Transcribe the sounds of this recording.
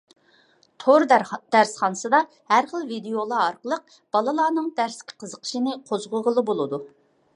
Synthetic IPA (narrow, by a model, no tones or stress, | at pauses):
t̪ʰoɾd̪̥æɾsχɑnɨsɨd̪ɑ | hæɾχəlˠvid̪ejolˠɑɑɾqəlˠəq̚ | b̥ɑlˠɨlˠɑːnɨŋd̪æɾskʲʰɪ̥qʰəzəqʰə̥ʃinɨqʰozʁʊʁəlˠɨbolˠɨd̪u